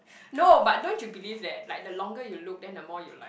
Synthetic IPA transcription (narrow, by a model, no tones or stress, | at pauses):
nobat̚dõntjubilivdɛt̚laɪk̚dəlɔ̃ŋɡəjuluk̚dɛ̃ndəmɔjṵlaɪ